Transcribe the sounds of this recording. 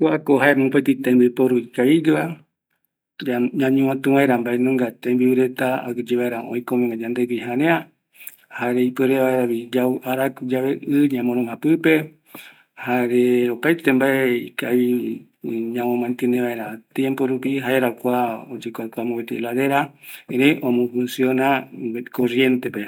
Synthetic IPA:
koakoɦaemõpet̪it̪ãmbipoɾuikaiɡɨa | aɲãɲũãt̪uʋaeɾambaenõŋɡat̪ẽmbiβiɾe̞t̪aa̰kɨd͡ʒeβaeɾaʔõ̰ĩkomẽŋɡad͡ʒãnd̪ebiɦãɾẽã | haɾeipeɾeʋaeɾaβid͡ʒaʔaɾakud͡ʒaβeʔɨɲãmõɾõŋãpɨpe̞ | haɾeopajt̪embaeikai | ɲãmõmãnt̪eneβaeɾat̪jẽmpoɾupiɦaeɾakʷaod͡ʒekʷakʷamõβet̪elaðeɾaeɾeʔõmõfũnsionakorje̞nt̪epe

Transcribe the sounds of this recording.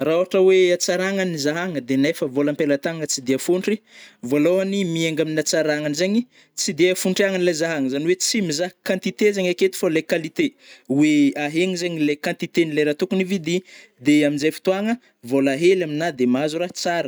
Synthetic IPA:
raoɦaʈ͡ʂəweat͡saɾaŋanizaɦaŋəd̪enefəvoləmpelat̪aŋət͡sid̪iafuɳʈ͡ʂivoloanimieŋɡaminat͡saɾaŋanizeɲi | t͡sid̪eafuɳʈ͡ʂiaŋanilazaɦaŋəzaniwet͡simizakãnt̪it̪ezeɲaket̪i̥falekalit̪eweaɦeŋizeɲilekãnt̪it̪enileɾat̪ukunivid̪i | d̪eaminzajfi̥t̪uaŋə | volaɦelaminad̪emazuɾat͡saɾə

